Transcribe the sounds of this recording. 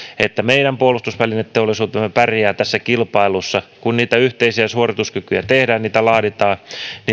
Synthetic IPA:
et̪ːæmeiɾæmpuolust̪usʋælinet̪t̪ːeolːˑisuːt̪emːepærjæːt̪æsːækilpɑilusːɑkunniːt̪æyht̪eisiæsuorit̪uskykyjæt̪ehdæːnniːt̪ælɑːdit̪ɑːni

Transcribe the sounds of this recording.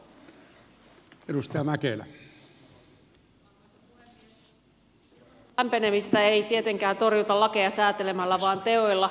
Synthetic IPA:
eɾust̪ɑjɑmækelæ̰ | æmpenemist̪æe̞jt̪ie̞t̪e̞ŋkæːnt̪o̞rjut̪ɑlːɑke̞ɑsæːt̪e̞lemælːæʋɑːnt̪e̞o̞jlːɑ

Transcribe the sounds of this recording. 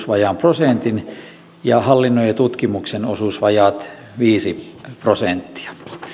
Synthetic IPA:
sʋɑjɑmproseˑnt̪in | jɑhɑlːinːojet̪ut̪kimuksenosusʋɑjɑt̪ | ʋiːsiprosent̪ːi̥ɑ̥

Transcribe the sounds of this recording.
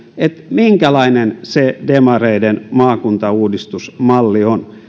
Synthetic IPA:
et̪miŋkælɑinensedemɑreidenmɑːkunt̪ɑuːdist̪usmɑlːion

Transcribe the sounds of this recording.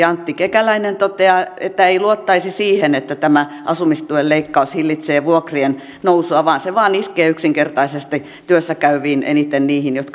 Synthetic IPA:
ɑnt̪ːikekælæinent̪ot̪eɑḛt̪ːæeiluot̪ːɑisisiːhenet̪ːæt̪æmæʔɑsumist̪uelleikːɑushilːit̪seːʋuokrien | nousuɑʋɑːnseʋɑːniskeːyksiŋkert̪ɑisest̪i | t̪yøsːækæyʋiːnḛnit̪enniːhinjot̪k

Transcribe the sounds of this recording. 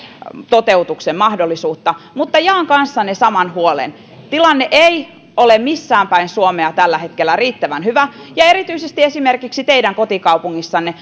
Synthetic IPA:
t̪ot̪eut̪uksemmɑhdolːisuːt̪ːɑmut̪ːɑjɑːŋkɑnsːɑnesɑmɑnhuolḛn | t̪ilɑnːeʔei | olemmisːæːmpæinsuomeɑt̪ælːæhe̞t̪kelːæriːt̪ːæʋænhyʋæjɑeɾit̪yisest̪iesimerkiksit̪eidæŋkot̪ikɑupuŋːisːɑnːe

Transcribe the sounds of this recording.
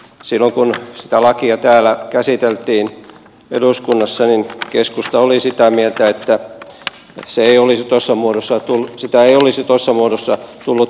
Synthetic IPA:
silːoŋkunsi̥t̪ælɑkiɑt̪æːlækæsit̪elt̪iːn | eduskunːɑsːɑninkeskust̪ɑolisit̪æmielt̪æet̪ːæ | seeiolisit̪osːɑmuoɾosːɑt̪ulsit̪æeiolisit̪osːɑmuodosːɑt̪ulːut̪

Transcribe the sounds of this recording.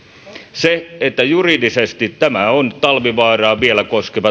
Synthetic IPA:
seet̪ːæjuridisest̪it̪tæmæont̪ɑlʋiʋɑːrɑːʋielækoskeʋɑ

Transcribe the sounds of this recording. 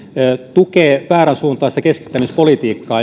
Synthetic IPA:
t̪ukeːʋæːɾænsuːnt̪ˑɑːsit̪ækeski̥t̪ːæmispolit̪iːkːɑː

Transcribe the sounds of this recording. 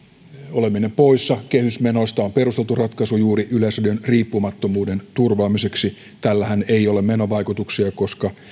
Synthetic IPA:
olemːinepo̞isːɑkehysmeno̞st̪ɑomperust̪et̪ːurɑt̪kɑsujuːɾiʔylesodønriːpːumɑt̪ːomuːdent̪urʋɑːmiseksi | t̪ælːæhæneio̞lemmenoʋɑikut̪uksiɑko̞skɑ

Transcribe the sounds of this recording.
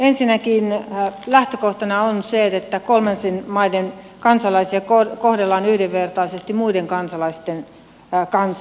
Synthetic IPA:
ensinækinlæht̪økoht̪ɑnɑonset̪et̪ːækolmensinmɑiden | kɑnsɑlɑisiɑkokohdelːɑonyhdeʋʋert̪ɑisest̪imuideŋkɑnsɑlɑist̪en | kɑns

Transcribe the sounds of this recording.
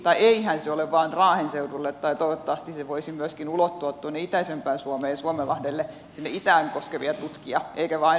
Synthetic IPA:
t̪ɑieihænseoleʋʋɑːnrɑːhenseutulːet̪t̪ɑit̪oiʋot̪ːɑʋɑst̪iseʋoisimmyøskinulot̪ːuɑt̪t̪uonːeit̪æisempæːnsuomeːnsuomelːˑɑhdelːe | sinːeit̪æːŋkoskeʋḭɑt̪ut̪kiɑʔeikæʋɑːn

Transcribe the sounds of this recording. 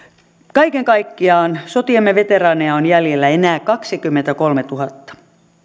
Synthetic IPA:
kɑikeŋkɑikːiɑːnsot̪iemːeʋet̪eɾɑːneɑonjæljelːæenæːkɑksikymːent̪ækolmet̪uɦɑt̪ːɑ̥

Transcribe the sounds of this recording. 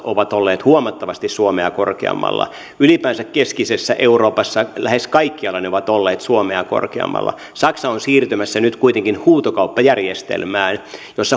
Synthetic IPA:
oʋɑt̪olːeːt̪huomɑt̪ːɑʋɑst̪issuomeɑko̰rkeɑ̰mːɑ̰lːɑ̰ | ylipæːnsækːeskisesːæʔeuroːpɑsːɑlæheskɑikːiɑlːɑneoʋɑt̪olːeːt̪suomeɑko̰rkeɑ̰mːɑ̰lːɑ̰ | sɑksɑonsiːrt̪ymæsːænyt̪kuit̪eŋkinhuːt̪okɑupːɑjærjest̪ḛlmæːnjosːɑ

